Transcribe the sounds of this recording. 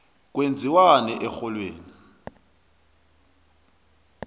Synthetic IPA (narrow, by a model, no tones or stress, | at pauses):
k̬ʼwend͡zʱiwanɛʔɛxɔlweːni